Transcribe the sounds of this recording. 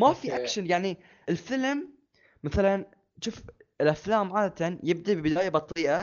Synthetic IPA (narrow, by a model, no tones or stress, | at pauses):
mafiʔakʃanjaʕni | ɪlfɪlm | maθalan | ʃuːfɪlʔaflaːmʕaːd̪at̪anjɪb̚d̪abbdaːjabɑt̪ˤːiːʔa